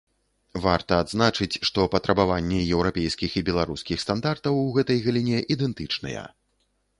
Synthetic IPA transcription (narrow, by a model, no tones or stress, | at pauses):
vart̪ɐːd̪znat͡ʂɨt͡sʲʂt̪ɔpɐt̪ɾʔɐbavanʲːɛjɛwɾapʲejskʲixibʲɛlˠaɾuskʲixst̪and̪art̪ɐwɣɛt̪ɐjɣɐlʲinʲɛʔid̪ɛnt̪ɨt͡ʂnɐ̰jɛ̰